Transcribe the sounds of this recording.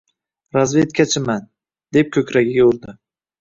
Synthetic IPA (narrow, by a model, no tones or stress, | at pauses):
ɾazve̞t̪kʰʲat͡ʃʰɪman | d̪e̞p̚kʲʰɵkʲɾaɡʲɪɡʲoɾd̪ɪ